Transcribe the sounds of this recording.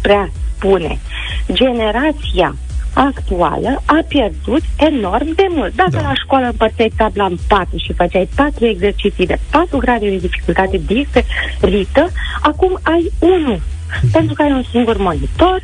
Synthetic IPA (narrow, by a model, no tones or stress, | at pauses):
pɾeaspune̞̰ | d͡ʒe̞ne̞ɾat̪sija̰ | akt̪ua̰ləapje̞rd̪ut̪e̞no̞rmd̪e̞mult̪̚d̪akəlaʃkoalaɨmpərsajt̪ablampat̪ɾuʃifat͡ʃajpat̪ɾue̞ɡze̞rt͡ʃit̪sijd̪e̞pat̪ɾuɡɾad̪ed̪e̞d̪ifi̥kult̪at̪e̞d̪iserit̪əakumajunu | pe̞nt̪ɾukəajunsiŋɡurmo̞nit̪o̞r